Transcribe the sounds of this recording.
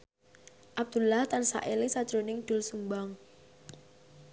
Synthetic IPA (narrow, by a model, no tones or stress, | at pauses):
ʔab̚d̪̥ulaht̪ansa̰ʔelisad̥ʒ̥ɾonɪŋd̪̥ʊ̤lsumbaŋ